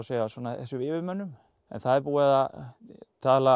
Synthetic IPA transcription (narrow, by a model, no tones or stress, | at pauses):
sejasɔnaθɛsʏɪːvɪmœnːʏm | ɛ̰nθaðɛɾpuːaða | t̪ʰaːla